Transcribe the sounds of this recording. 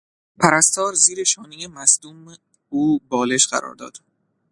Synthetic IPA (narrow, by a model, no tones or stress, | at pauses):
pʰæɾæst̪ʰɒːɾziːɾe̞ʃɒːnijemæsd̪uːm | uːbɒːle̞ʃɢ̥æ̰ɾɒ̰ːɾd̪ɒ̰ːd̪̥